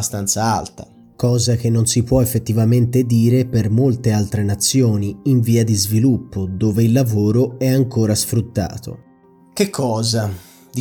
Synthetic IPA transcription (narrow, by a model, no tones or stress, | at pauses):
st̪ant̪saa̰lt̪a | kɔːzak̟enːonsipwɔefːet̪ːivament̪ed̪iːɾepermolt̪ealt̪ɾenat̪sːjoːniːɱviːad̪izvilupːod̪oːveilːavoːɾoɛaŋkoːɾasfɾut̪ːa̰ːt̪o̰ | k̟ekʰːɔːza | d̪